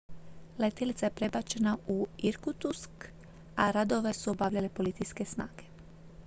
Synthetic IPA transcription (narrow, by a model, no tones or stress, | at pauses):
let̪elit̪sajepɾe̞bat͡ʃe̞nauiɾkut̪usk | aɾad̪o̞ʋe̞suobaʋʎalepo̞lit̪sijske̞snaːɡe